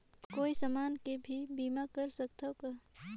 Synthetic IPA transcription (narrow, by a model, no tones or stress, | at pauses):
koːisəmaːnkebʱibiːmakəɾsəkt̪ʰoka